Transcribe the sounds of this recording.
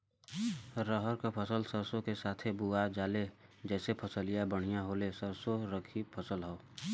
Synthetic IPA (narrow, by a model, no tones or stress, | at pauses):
ɾəɦəɾkapʰəsəlsəɾsõkesaːt̪ʰebuad͡ʒaːle | d͡ʒɛːsepʰəsəlijabəɽ̤̃ijãɦoːlesəɾsoɾəkʰipʰəsəlɦoː